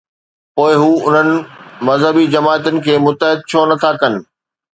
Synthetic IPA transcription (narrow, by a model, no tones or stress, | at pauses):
poːɪɦuːʊn̤ənɪ̆mɐzɦəbid͡ʑɐmaːt̪ʊnɪ̆kʰeːmʊt̪əɦɪd̪̚t͡ɕʰoːnɐt̪ʰakɐnɪ̆